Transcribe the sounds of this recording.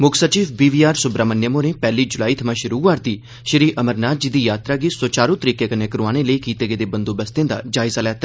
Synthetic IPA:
mʊkʰsət͡ʃiːʋbiːʋiːaːɾsʊbɾaːmənjəmõnepɛːlid͡ʒʊlaːit̪ʰɐmãʃɪɾuːʋaːɾt̪i | ʃɪɾiːʔɐməɾnaːt̪̚d͡ʒiːd̪iːjaːt̪ɾaːɡisoːt͡ʃaːɾũt̪əɾiːkekɐnekɐɾuaːɽ̃eləikiːt̪eɡed̪ebɐ̃nd̪obɐst̪ẽːnd̪a̰d͡ʒaːɪzalɛːt̪

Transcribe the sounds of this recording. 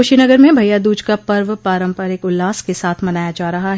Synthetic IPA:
ʊʃinɐɡəɾmẽbʱɐjad̪uːd͡ʒkapɐɾʋpaːɾə̃mpɐɾɪkʊlːaːskesaːt̪ʰmɐnaːjad͡ʒaːɾɐɦaɦɛ

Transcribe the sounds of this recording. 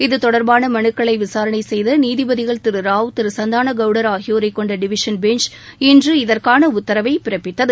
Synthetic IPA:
ɪðɯt̪ɔɽɐɾbaːnɐmɐɳɯkːɐɭɐɪʋɪsaːɾɐɳɐɪsɛjðɐniːðɪbɐðɪɣɐɭt̪ɪɾɯɾaːʋt̪ɪɾɯsɐnd̪aːnɐɡɐʋɽɐɾaːɣɪjoːɾɐɪkːɔɳɖɐɖɪʋɪʂɐnbɛnt͡ʃ | ɛndrɯɪðɐrkaːnɐʊt̪ːɐɾɐʋɐɪpɪɾɐpːɪt̪ːɐðɯ

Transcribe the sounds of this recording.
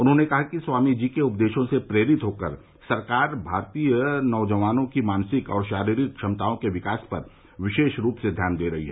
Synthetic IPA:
ʊnɦõnekɐɦakiswaːmid͡ʒiːkeʊp̚d̪eːʃõsepɾeːɾɪt̪ɦoːkəɾ | sɐɾkaːɾbʱaːɾt̪iːjənɔʊd͡ʒəʋaːnõkimaːnsɪkɔ̰ːɾʃaːɾiːɾɪt̪̚ʃʰɐmt̪aːõkeʋɪkaːspɐɾ | ʋɪʃeːʃɾuːpsed̪ʱjaːnd̪eːɾɐɦiɦɛː

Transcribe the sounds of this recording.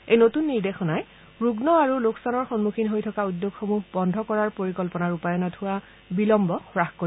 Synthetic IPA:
ejnotunːiɹdexɔnaj | ɹuɡnɔaɹuloksanɔɹxɔnmukʰinɦojtʰɔkaudjoɡxomuɦbɔndʱɔkɔɹaɹpoɹikɔlpɔnaɹupajɔnɔtʰʊwa | bilɔmbɔxɹaxko

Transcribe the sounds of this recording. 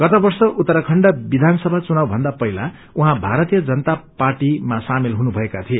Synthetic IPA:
ɡ̥ʌt̪ʌbʌrsʌʔut̪ːʌɾʌkʰʌɳɖʌbid̪ʱanʌsʌbʱat͡sunawbʱʌnd̪apʌɦila | uɦãbʱaɾʌt̪ijʌd͡zʌnt̪aparʈimasamelɦunubʱʌekat̪ʰie

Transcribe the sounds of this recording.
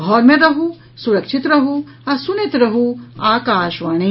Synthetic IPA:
ɔːɾmẽɾɐɦu | suɾɐkʃit̪ɾɐɦu | ɐsunit̪ɾɐɦuaːkaːʃʋaːɳ̃i

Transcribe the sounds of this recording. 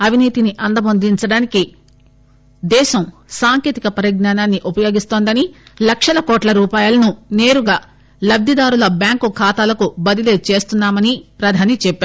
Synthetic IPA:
ɐʋʱiniːt̪iniʔɐnd̪ɐmond̪iɲt͡ʃɐɽaːniki | d̪ɛːʃɐm | saːŋkeːt̪ikɐpɐɾiɡnaːnaːnːiʔupɐjo̞ːɡist̪o̞ːnd̪ɐnilɐkʂɐlɐkoːʈlɐɾuːpaːjɐlɐnune̞ːɾuɡaː | lɐbd̪id̪aːɾulɐbjaːŋkukʰaːt̪aːlɐkubɐd̪ileːt͡ʃe̞ːst̪unːaːmɐnipɾɐd̪ʱaːnit͡ʃɛpːeaː

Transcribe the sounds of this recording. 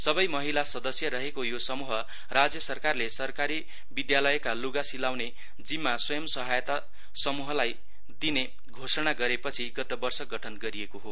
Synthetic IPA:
sʌbʌjmʌɦilasʌd̪ʌsjʌɾʌɦekojosʌmuɦʌ | rad͡zjʌsʌrkarlesʌrkaɾi | bid̪jalʌjkaluɡasilawne | d͡zimːaswʌjʌmsʌɦajʌt̪a | sʌmuɦʌlaj | d̪ine | ɡʱosʌɽ̃aɡʌɾepʌt͡sʰiɡʌt̪ʌbʌrsʌɡʌʈʰʌnɡʌɾiekoɦo

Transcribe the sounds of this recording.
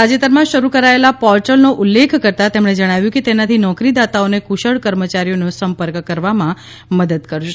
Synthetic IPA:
ad͡ʒet̪əɾmãʃəɾukəɾaelapɔɾʈəlnoʔulːekʰkəɾt̪at̪emɽ̃ed͡ʒəɽ̃aʋjũkit̪enat̪ʰinɔkɾid̪at̪aonekuʃəɭkəɾmət͡ɕaɾijonosəmpəɾkkəɾʋamã | məd̪əd̪kəɾʃ

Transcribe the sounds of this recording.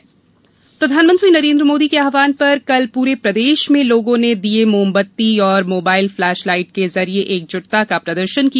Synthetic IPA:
pɾɐd̪ʱaːnmənt̪ɾinɐɾẽːnd̪ɾəmoːd̪ikeaːʋaːnpɐɾkɐlpuːɾepɾɐd̪eːʃmẽloːɡõned̪iemoːmbət̪ːiɔːɾmoːbaːɪlflɛːʃlaːɪʈ̚kezɐɾieʔeːk̚d͡ʒʊʈt̪akapɾɐd̪əɾʃənki

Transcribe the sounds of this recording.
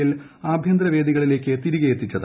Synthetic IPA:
ilaːbʱjɐnd̪ɾɐʋe̞ːd̪iɣɐɭile̞ːkʲːɨt̪iɾiɣɐjet̪ːit͡ɕːɐð

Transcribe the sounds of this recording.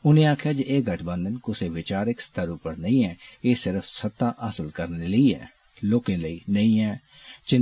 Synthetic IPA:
ʊnẽaːkʰjaːd͡ʒeʔeːɡʱəʈʰbə̃nd̪ənkʊseʋɪt͡ʃaːɾɪkst̪ʰəɾupəɾnəĩɦɛ̃ːeːsɪɾəfʰsət̪ːaʔəsəlkəɾneləiɛ̰ː | loːkẽːləiːnəĩɦɛː | t͡ʃɪ

